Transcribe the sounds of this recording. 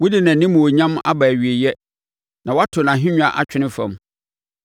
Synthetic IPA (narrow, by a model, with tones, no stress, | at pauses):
wʊ˦dɪ˨nã˨nĩ˦mũ˨wo˨ɲã˦ma̰˦ba˨ɥi˨e˨jɛ˦ | nã˨wɔ˦a˦tʰʊ˨nã˨ɦɪ̃˦ɲᶣʊ̃˦a˨ʔa˦t͡ɕʰᶣɪ˦nɪ̃˦fã̰˨m